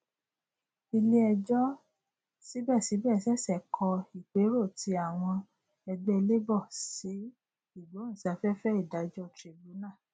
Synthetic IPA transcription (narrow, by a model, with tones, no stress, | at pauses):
i˧li˦ɛ˧d͡ʒɔ˦ | si˨˦bɛ˦˨si˨˦bɛ˦˨sɛ˦˨sɛ˦˨kʰɔ˧i˨k͡pe˨˦ɾo˦˨ti˧˦a˨w̃ɔ̃˧ | ɛ˧ɡ͡bɛ˧le˦bɔ˦˨si˨˦ | i˦˨ɡ͡bo˨˦ñ̩˦˨sa˧fɛ˦fɛ˦i˦˨da˨˦d͡ʒɔ˦tɾi˧bu˨˦nã˦˨